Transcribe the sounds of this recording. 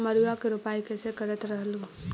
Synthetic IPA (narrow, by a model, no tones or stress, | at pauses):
məɾuakeɾupaːikesekəɾət̪ɾəɦlu